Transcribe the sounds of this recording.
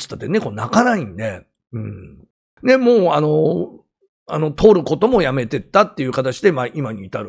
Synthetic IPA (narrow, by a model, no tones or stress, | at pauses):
sɨ̥t̪ːat̪ːene̞ko̞nakanaĩnd̪e̞ | ɯ̟̃ɴ | ne̞mo̞ːano | ano̞t̪ʰo̞ːɾɯ̟ko̞t̪o̞mo̞jame̞t̪e̞t̪ːat̪ːe̞jɯ̟ːkat̪at͡ɕid̪e̞maʔimaɲ̟iːt̪aɾɯ